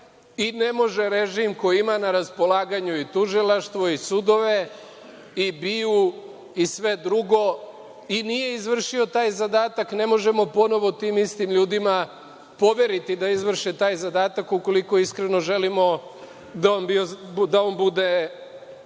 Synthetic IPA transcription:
ine̞mo̞ʒeɾeʒimko̞jiimanaɾaspo̞laːɡaɲuit̪uʒilˠaʃt̪ʋo̞isud̪o̞ʋe̞ | ibiu | isʋe̞d̪ɾuɡo̞ | inije̞izʋr̩ʃiot̪aːjzad̪aːt̪akne̞mo̞ʒe̞mo̞po̞no̞ʋo̞t̪iːmist̪imʎuːd̪ima | po̞ʋe̞ɾit̪id̪aizʋr̩ʃet̪aːjzad̪aːt̪akuko̞liko̞iskɾeno̞ʒe̞limo̞ | d̪aonbiod̪aonbud̪e̞

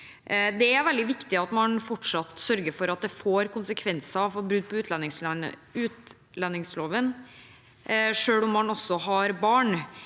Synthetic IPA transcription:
d̪ɛæɾʋɛld̪ɪʋɪkt̪ɪɑt̪mɑnfɔʈʂɑt̪sœɾɡəɾfɔɾɑt̪̚d̪ɛfoːɾkʊnsəkʰʋɛnsɑfɔɾbɾʉːd̪̚pʰɔʉːt̪ʰlɑnːɪŋslɑnə̰ʉːt̪ | lɑnːɪŋsloːʋən | ʂøːlʊmːɑnɔsːɔɦɑɾbɑːɳ

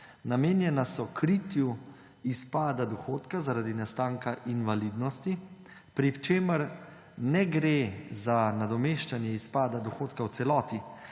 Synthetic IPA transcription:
nameːnjɛnasɔkʰɾit̪ju | ispaːd̪ad̪ɔxoːt̪kazaɾad̪inast̪aːŋkaʔinʋaliːd̪nɔst̪i | pɾiwt͡ʃeːməɾ | nɛɡɾezanad̪ɔmeːʃt͡ʃanjɛispaːd̪ad̪ɔxoːt̪kawt̪sɛlɔːt̪i

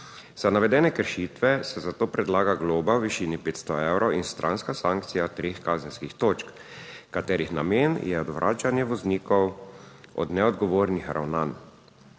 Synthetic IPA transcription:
z̥anaʋɛd̪ɛːnɛkəɾʃiːt̪ʋɛsɛzat̪oːpɾɛd̪laːɡaɡloːbawʋiʃiːnipeːt̪st̪ɔɛwɾʔɔinst̪ɾʔa̰nskasaŋk̚t̪sijat̪ɾexkaːzɛnskixt̪oːt͡ʃk | kat̪ɛːɾixnameːnjɛɔd̪ʋɾʔa̰ːt͡ʃanjɛʋɔzniːkɔwɔ̰d̪nɛɔd̪ɡɔʋoːɾnixɾʔa̰wnan

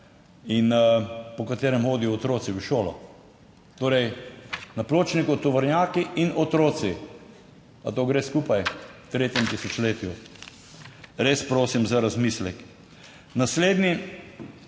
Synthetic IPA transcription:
inpɔkat̪eːɾɛmxoːd̪ijɔːt̪ɾoːt̪siwʃoːlɔ̰ | t̪oːɾɛjnaploːt͡ʃnikɔt̪ɔʋɐɾnʲjaːkiʔinɔt̪ɾoːt̪si | a̰t̪oːɡɾeːskuːpajt̪ɾeːt̪jɛmt̪isɔt͡ʃleːt̪ju | ɾeːspɾoːsimzaɾazmislɛk | nasleːd̪ni

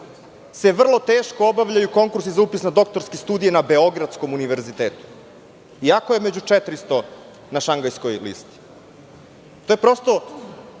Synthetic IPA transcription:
se̞ʋr̩lˠo̞t̪eːʃkoobaʋʎajuko̞ŋkuɾsizaupisnad̪o̞k̚t̪o̞ɾskest̪uːd̪ijenabe̞o̞ɡɾat̪sko̞muniʋe̞ɾzit̪eːt̪u̥ | iako̞je̞me̞d͡ʑut͡ʂet̪ɾist̪o̞ | naʃaŋɡajskojlḭst̪i̥ | t̪ojepɾo̞st̪o̞

